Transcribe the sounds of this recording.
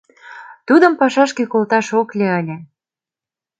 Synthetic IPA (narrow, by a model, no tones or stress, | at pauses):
t̪ud̪ə̆mpɑʃɑʃkekolt̪ɑʃoklʲeəlʲĕ